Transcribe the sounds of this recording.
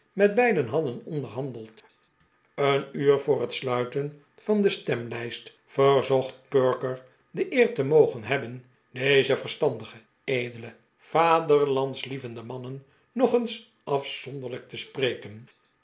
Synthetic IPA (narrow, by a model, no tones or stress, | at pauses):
mɛd̚bɛjdənɦɑdənɔndəɹɦɑndəlˠt | ənyːɹvʊːrɦətslœɥtən | fɑndəstɛmlɛjst | fəɹzɔχt̚pøɹkəɹ | dəʔɪːɹtəmowχənɦɛbən | dejzəvəɹstɑndəχə | ejdələ | v̥aːdəɹlɑntslivəndəmɑnənː | ɔχəns | ʔɑfsɔndəʁlək̚təspreːkən